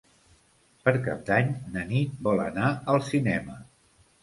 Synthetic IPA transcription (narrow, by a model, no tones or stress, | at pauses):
pəɾka̰p̚d̪aɲnənit̪̚bɔlə̰naəlˠsinɛmə